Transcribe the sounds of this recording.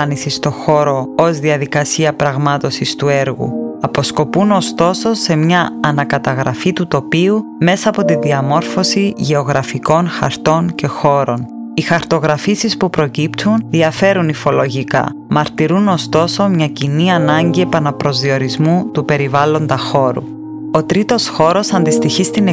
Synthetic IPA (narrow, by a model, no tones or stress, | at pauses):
nisist̪o̞xo̞ɾo̞ozðiɐðikɐsiɐpɾɐɣmɐt̪o̞sist̪ue̞ɾɣṵɐpo̞sko̞puno̞st̪o̞so̞se̞mɲɐːnɐkɐt̪ɐɣɾɐfit̪ut̪o̞piume̞sɐːpo̞t̪inðiɐmo̞ɾfo̞siʝe̞o̞ɣɾɐfiko̞nxɐ̰ɾt̪o̞nce̞xo̞ɾo̞n | ixɐɾt̪o̞ɣɾɐfisispupɾo̞cipt̪ʰunðiɐfe̞ɾunifo̞lo̞ʝikɐ̰ | mɐɾt̪iɾuno̞st̪o̞so̞mɲɐciniɐnɐɲɟie̞pɐnɐpɾo̞zðio̞ɾizmut̪upe̞ɾivɐlo̞nd̪ɐxo̞ɾṵ | o̞t̪ɾit̪o̞sxo̞ɾo̞sɐnd̪ist̪içist̪ine